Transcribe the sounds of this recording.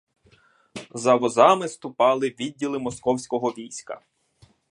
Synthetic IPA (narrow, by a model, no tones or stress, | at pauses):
zɐʋɔzɑmɪst̪ʊpɑlˠɪʋʲidʲːilˠɪmɔskɔwsʲkɔɦɔʋʲijsʲkɐ̰